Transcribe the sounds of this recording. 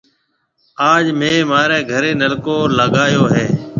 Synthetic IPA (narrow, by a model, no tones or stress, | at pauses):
aːd͡ʒmẽːmaːɾeːɡʱəɾeːnəlkoːləɠaːjoːɦeː